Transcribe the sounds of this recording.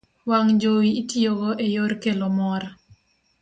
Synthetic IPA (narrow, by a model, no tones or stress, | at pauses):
waŋd͡ʒowiːtioɡɔʔejoɾkelomɔɾa